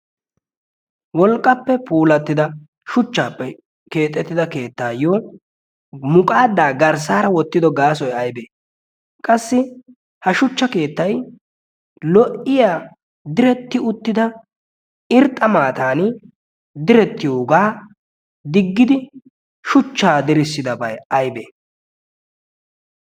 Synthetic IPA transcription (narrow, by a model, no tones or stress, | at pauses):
wɔlkʼːɐpːɛpʰuːlɐt̪ːɪd̪ɐ | ʃʊt͡ʃːaːpːɛ | ke̞ːt̪ʼːɛt̪ːɪd̪ɐke̞ːt̪ːaːjoː | mʊkʼaːd̪ːaːɡɐɾs̬aːɾɐwɔt̪ːɪd̪ɔɡaːsɔjɐjbeː | kʼɐsːɪ | hɐʃʊt͡ʃːɐke̞ːt̪ːɐj | lɔʔɪjaː | d̪ɪɾɛt̪ːɪʊt̪ːɪd̪ɐ | ɪɾt̪ʼːɐmaːt̪aːn | d̪ɪɾɛt̪ːɪjoːɡaː | d̪ɪɡːɪd̪ɪ | ʃʊt͡ʃːaːd̪ɪɾɪsːɪd̪ɐbɐjɐjbeː